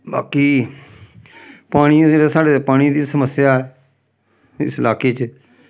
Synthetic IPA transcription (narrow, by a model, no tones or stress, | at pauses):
ba̰ːkiː | paːɽ̃iːeɾasaːɽeːpaːɽ̃id̪iːsəməsjaːɛː | ɪ̰sɪlaːkeːt͡ʃ